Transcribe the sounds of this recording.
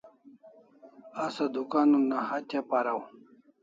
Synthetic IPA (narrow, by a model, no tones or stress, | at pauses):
asad̪ukaːnunːahat̪ʰepaɾaw